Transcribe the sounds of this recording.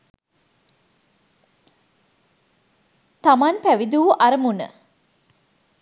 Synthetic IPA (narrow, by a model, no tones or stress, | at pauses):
t̪amanpæʋid̪uʋuʔaɾəmunə̰